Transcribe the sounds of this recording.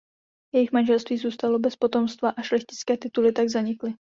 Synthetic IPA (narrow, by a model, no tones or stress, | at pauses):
jɛjɪxmanʒɛlst̪viːzuːst̪alo̞bɛspo̞t̪o̞mst̪vaʔaʃlɛxcɪ̥t͡skɛːt̪ɪt̪ulɪt̪aɡzaɲɪklɪ